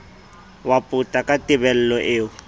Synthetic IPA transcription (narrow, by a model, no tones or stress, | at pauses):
wapʼʊtʼakʼatʼɪbɛl̩lɔʔeːʊ